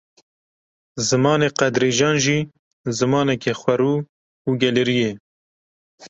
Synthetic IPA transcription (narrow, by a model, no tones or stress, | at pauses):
zɨmɑːneːqɛd̪ɾeːʒɑːnʒiː | zɨmɑːnɛkexʷwɛɾuː | uːɡɛlɪɾijeː